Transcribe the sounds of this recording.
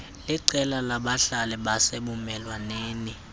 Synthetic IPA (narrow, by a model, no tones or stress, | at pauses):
liǀɛlalaɓaɬalɛɓaseɓumɛlwaneːni